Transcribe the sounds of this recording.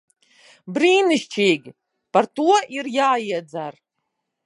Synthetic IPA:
briːnɨʃt͡ʃʰejɡʲ | partuɔʔirjaːjad͡zar

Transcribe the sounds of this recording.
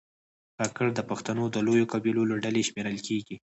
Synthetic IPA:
kɑkəɾd̪əpaxt̪anod̪əlojokabiloloɖaleʃmeɾəlkeɡi

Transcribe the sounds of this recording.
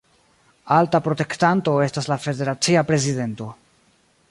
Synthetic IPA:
altapɾo̞te̞ktanto̞e̞staslafe̞de̞ɾat͡siapɾe̞zide̞nto̞

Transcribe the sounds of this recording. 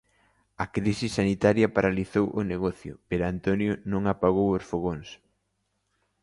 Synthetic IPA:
ɐkɾisisːanit̪aɾjɐpaɾaliθowʔʊneɣɔθjʊ̰peɾoant̪onjʊnõŋapaɣowosfoɣons

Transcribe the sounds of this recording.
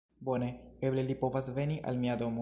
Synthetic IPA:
bo̞ne̞e̞ble̞lipo̞vasve̞niʔa̰lmiad̪o̞mo

